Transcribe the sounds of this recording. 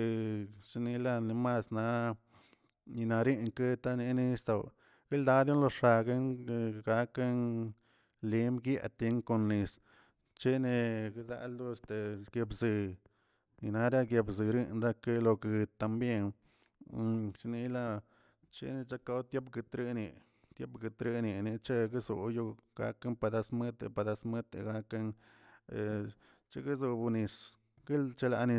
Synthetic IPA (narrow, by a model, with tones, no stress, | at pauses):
ʂi˧ni˧la˧ni˧ma˧sna˧˦ | ni˧na˨ɾi˦ŋke˦t̪a˦ni˧˦ni˧st̪o˨w | ɡ̥i˦ld̪a˧˦d̪jo˦nlo˧ʂa˧ɡe˦ŋ˧ɡa˧ke˦n | li˧˦mɡja̰˧t̪i˧˦ŋko˧nːi˧s | t͡ʃe˦ne˧ɡi˦d̪a̰˧ʔld̪u˦˧st̪e˨ɡ̥je˧bzɨ˧ | ni˧na˦ɾa˦ɡje˧bzɨ˨ɾi˦nɾa˦ke˦lo˧kɡɨ˧t̪ːa˧mbje˦n˧ | t͡ʃni˧la˦ | t͡ʃḛ˦ni˧t͡ʃa˦ka˧˦wt̪je˦pɡɨ˧t̪ɾi˦ni˧ | t̪je˦pɡɨ˨t̪ɾi˧ni˨ni˧t͡ʃe˦ɡi˦zo˨ju˦ɡ̥a̰˧˦ke˦npa˧d̪a˧sme˦t̪ḛ˧pa˨d̪a˧sme˦t̪ḛ˧ɡa˧ke˦n˨ | t͡ʃḛ˧ɡi˦zu˧bu˧ni˧s | ɡ̥i˦lt͡ʃe˦la̰˧ni˧